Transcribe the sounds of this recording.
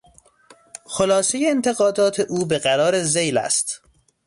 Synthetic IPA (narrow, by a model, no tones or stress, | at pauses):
xolɒːsejeːnt̪ʰeɣɒːd̪ɒːt̪ʰeʔuːbeɣæɾɒːɾezejlæ̰st̪